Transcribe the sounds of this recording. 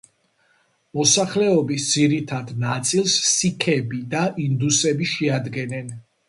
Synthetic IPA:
mɔsaχlɛɔbisd̪z̥iɾit̪ʰad̪nat̪sʼilˠsːikʰɛbid̪aʔind̪usɛbiʃɛad̪ɡɛnɛn

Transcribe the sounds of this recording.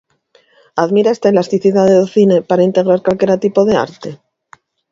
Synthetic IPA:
aðmiɾae̞st̪aelast̪iθiðaðeðoθine̞paɾaint̪e̞ɣɾaɾkwalke̞ɾat̪ipo̞ðe̞a̰ɾt̪e̞

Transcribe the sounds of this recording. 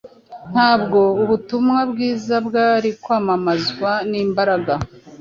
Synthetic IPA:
n̥haːbɡo̞uβutumŋabɡiːzabɡaːɾikwaːmamazɡwaniːmbaɾaɡa

